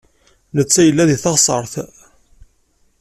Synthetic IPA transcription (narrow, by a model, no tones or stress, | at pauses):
nət͡sːæjəlːæðiθɑʁsˤəɾˤθ